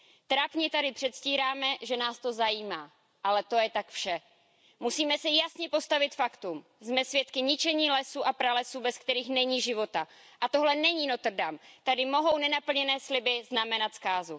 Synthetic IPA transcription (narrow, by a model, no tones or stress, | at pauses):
t̪ɾapɲɛt̪adɪpr̝̥ɛt̪sciːɾaːmɛʒɛnaːst̪o̞zajiːmaː | ʔalɛt̪o̞jɛt̪akfʃɛ | musiːmɛsɛjasɲɛpo̞st̪avɪt̪fakt̪um | zmɛsvjɛt̪kɪɲɪt͡ʃɛɲiːlɛsuʔapɾalɛsubɛskt̪ɛɾiːxnɛɲiːʒɪvo̞t̪a | ʔat̪o̞ɦlɛnɛɲiːno̞t̪r̩damt̪adɪmo̞ɦo̞wnɛnapl̩ɲɛnɛːslɪbɪznamɛnat̪skaːzu